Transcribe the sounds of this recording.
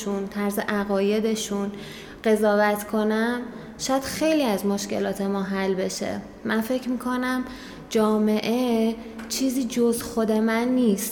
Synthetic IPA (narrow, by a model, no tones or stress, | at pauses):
unt̪ʰæɾzḛʔæɣɒːje̞d̪e̞ʃun | ɢ̥e̞zɒːvæt̪ʰkʰo̞næm | ʃɒːjæd̪̥xe̞jliːæzmoʃce̞lɒːt̪ʰe̞mɒːɦælbe̞ʃḛ | mænfe̞cʰmiːkʰo̞næm | d͡ʒɒːme̞ʔe̞ | t͡ʃʰiːziːd͡ʒozxo̞d̪e̞mænːiːst̪